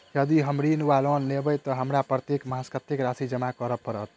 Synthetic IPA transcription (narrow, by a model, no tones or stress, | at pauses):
jəd̪iɦəmɾinuʋalɔnːebəjt̪ɔɦəmɾapɾət̪jekməɦaskət̪ikɾasid͡ʒəmakəɾəpəɾət̪̚